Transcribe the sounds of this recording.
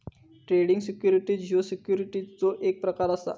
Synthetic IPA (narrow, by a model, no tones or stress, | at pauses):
ʈɾeɽiŋɡsikjuɾiʈiːd͡ʑʱiosikjuɾiʈiːt͡soʔek̚pɾəkaɾəsa̰